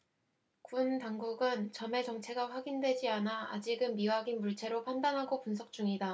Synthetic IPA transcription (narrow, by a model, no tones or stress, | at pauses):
kuntaŋɡuɡɯnt͡ɕʌme̞t͡ɕʌŋt͡ɕʰe̞ɡaɸwaɡindwe̞d͡ʑianaa̰d͡ʑiɡɯmːiwaɡinmuɭt͡ɕʰe̞ɾopʰandanɦaɡopuns̬ʰʌk̚t͡ɕ͈uŋida